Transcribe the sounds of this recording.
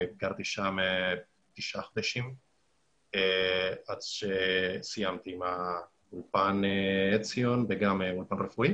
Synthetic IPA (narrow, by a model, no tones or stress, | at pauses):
ɡaɾt̪iʃame | t̪iʃaχod̪ɛʃim | eat͡sʃesijamt̪ima | ulpanet͡sjonveɡameulpanrefui